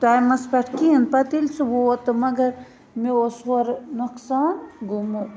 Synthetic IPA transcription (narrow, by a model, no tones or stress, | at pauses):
t̪ajmɐspɐʈʰkiɐnpɐt̪ilsʰuwot̪ɨmɐɡɐɾ | meosoɾnuksaːnɡʱumu